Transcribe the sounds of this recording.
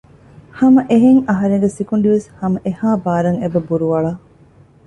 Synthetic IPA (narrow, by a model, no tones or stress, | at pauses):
hɐmɐʔeɦeŋɐɦɐɾeŋɡesikuɳɖiʋeshɐmɐʔehaːbaːɾɐŋebɐbuɾuʋɐɭa